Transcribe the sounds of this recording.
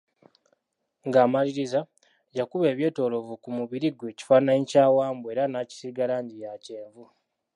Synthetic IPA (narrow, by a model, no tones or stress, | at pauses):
ŋɡaːmaliɾiza | jakuβe̞ːβje̞ːto̞ːlo̞vukumuβiɾiɡwe̞ːci̥fanaɲcaːwaːmbue̞ɾanaːci̥siɡalaɲɟijace̞ːɱvu